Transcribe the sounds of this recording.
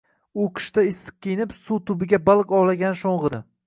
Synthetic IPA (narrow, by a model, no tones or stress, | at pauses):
ʊkʲʰɪ̥ʃt̪aɪsːɨ̥q̚kʲʰejnɪpsut̪ʰʊbɪɡʲabalˠqɒwlaɡʲanɪʃoɴʁɨd̪ɪ